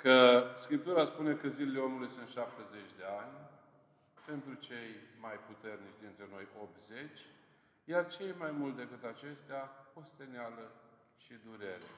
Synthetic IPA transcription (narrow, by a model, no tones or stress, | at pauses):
kəskɾip̚t̪uɾaspune̞kəzilele̞o̞mulujsunt̪ʃap̚t̪eze̞t͡ʃʲd̪e̞anʲ | pe̞nt̪ɾut͡ʃe̞jmajput̪e̞rnit͡ʃʲd̪int̪ɾe̞no̞jo̞p̚t̪ze̞t͡ʃʲ | jart͡ʃe̞jmajmult̪d̪ekɨt̪at͡ʃe̞st̪eapo̞st̪e̞nealə | ʃid̪uɾe̞ɾḛ